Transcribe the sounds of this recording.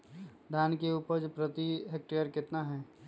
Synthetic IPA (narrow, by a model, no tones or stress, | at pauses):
d̪ʱaːnkeupəɾd͡ʒpɾət̪iɦek̚ʈeəɾkɪt̪naɦɛː